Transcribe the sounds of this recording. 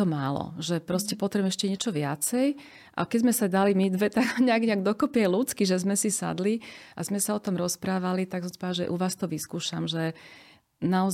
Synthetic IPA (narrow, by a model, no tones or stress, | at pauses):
ɔmaːlɔ̰ʒɛpɾɔscɛpɔt̪ɾɛbmɛʃcɛɲɪɛt͡ʃɔʋɪa̰t͡sɛj | ʔa̰kɛzmɛsad̪alimid̪ʋɛt̪aɡɔɲɛaɡɲɛaɡ̚d̪ɔkɔpɪɛlut͡skiʒɛzmɛsisa̰d̪liʔa̰zmɛsaɔt̪ɔmɾɔspɾaːʋalit̪aksɔ̃msi̥pɔaʒɛʔuʋaːst̪ɔʋiskuːʃamʒɛ | naɔz